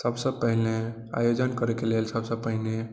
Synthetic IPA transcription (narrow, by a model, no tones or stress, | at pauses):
səbsəbpəɦile | a̰jod͡ʒənkəɾekelelsəbsəb̚pəɦine